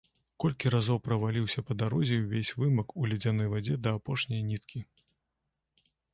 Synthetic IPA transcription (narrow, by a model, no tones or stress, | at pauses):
kɔlʲkʲiɾazɔwpɾɐvalʲiwsʲɐpɐd̪aɾɔzʲɛwvʲesʲvɨmɐkulʲɛd͡zʲanɔjvad͡zʲɛd̪ɐːpɔʂnʲɐjnʲit̪kʲi